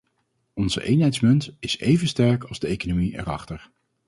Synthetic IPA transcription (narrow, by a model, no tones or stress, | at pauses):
ɔnz̥ə̰ʔejnɦɛjtsmɵntɪsejvənstɛɹkɑlˠzdəejkonomiʔɛ̰ɹɑχtəɹ